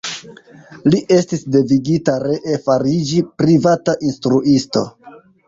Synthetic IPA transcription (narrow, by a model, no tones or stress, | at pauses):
liʔe̞stisde̞viɡitaɾe̞ʔefaɾid͡ʒipɾivataʔinstɾuisto̞̰